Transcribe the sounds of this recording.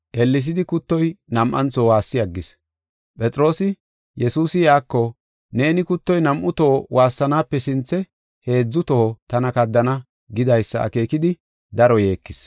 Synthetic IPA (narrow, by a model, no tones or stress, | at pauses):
ʔɛlːɪs̬ɪd̪ɪkʊt̪ːɔjnɐmʔɐ̰nt͡soːwaːsːɪjɐɡːɪs | pʼɛt͡sʼɪɾo̞ːsɪ | jɛsuːsɪjaːkːɔ | ne̞ːnɪkʊt̪ːɔjnɐmʔʊt̪oːwʔaːsːɐnaːpːɛsɪnt͡sːɛ | he̞ːd͡zːʊt̪ot̪ɐnɐkɐd̪ːɐnɐ | ɡɪd̪ɐjsːɐ̰ɐ̰ke̞ːkɪd̪ɪ | d̪ɐɾɔje̞ːkːɪs